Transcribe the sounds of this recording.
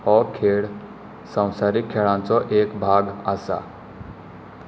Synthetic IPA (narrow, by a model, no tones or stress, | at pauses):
hɔkʰeɭ | sə̃w̃saɾikʰːeɭãnt͡sɔʔekbʱaɡasa̰